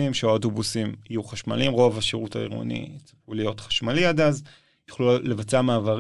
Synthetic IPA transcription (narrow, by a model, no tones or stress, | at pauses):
imʃeaoto̞busimijuχaʃma̰limʁo̞vaʃeʁutaḭʁo̰nḭt͡saulijo̞t̪χḁʃmaliad̪az | ju̥χlulevat͡seamaːvaʁ